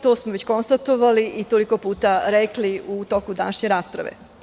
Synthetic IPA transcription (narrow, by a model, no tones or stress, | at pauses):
t̪oːsmoʋet͡ɕko̞nst̪at̪o̞ʋaliʔit̪oliko̞puːt̪aɾekliut̪o̞kud̪a̰naʃɲeɾaːspɾa̰ʋḛ